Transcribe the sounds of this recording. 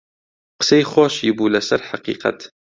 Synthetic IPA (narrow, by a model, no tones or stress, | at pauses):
qə̥sejxoːʃjɪbuːlasaɾħaqḭːqɑ̰t̪